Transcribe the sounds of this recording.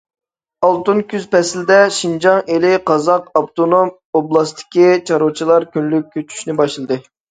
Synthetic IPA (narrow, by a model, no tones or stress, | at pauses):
ɑlˠt̪unkʲʰyzpɛsld̪ɛʃind͡ʒɑŋelɪqɑzɑqɑpt̪ʰonom | oblˠɑst̪ʰɪ̥kʲit͡ʃʰɑɾot͡ʃʰilˠɑɾkʲynlyk̚ʲʰːøt͡ʃʰy̥ʃnɪbɑʃlˠɨd̪ɨ